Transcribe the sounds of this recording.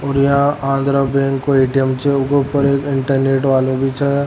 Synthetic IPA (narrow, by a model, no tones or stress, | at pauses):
ɔːɾjɐɦããːnd̪ɾabɛ̃ːŋkːoeːʈijəmt͡ʃʰɛʊkopəɾeːkɪ̃ɳʈəɾneːʈʋaːlõbʱit͡ʃʰɛː